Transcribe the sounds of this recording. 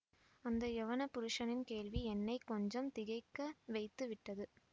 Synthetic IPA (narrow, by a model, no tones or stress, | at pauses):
ɐnd̪ɐjɛʋɐnɐpʊɾɯʂɐnɪnkeːɭʋiɛnːɐɪkːɔɲd͡ʒɐmt̪ɪɣɐɪkːɐʋɐɪt̪ːɯʋɪʈːɐðɯ